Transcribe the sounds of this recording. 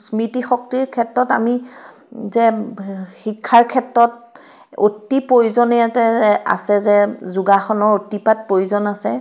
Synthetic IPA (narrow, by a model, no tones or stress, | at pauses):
smɹitixɔktiɹkʰɛtɹɔta̰mi | zɛ | xikʰːaɹkʰɛtɹɔt̚ | otːipɹojuzɔnɛjatɛa̰sɛzɛzuɡaxɔnɔɹotipat̚pojuzɔnasɛ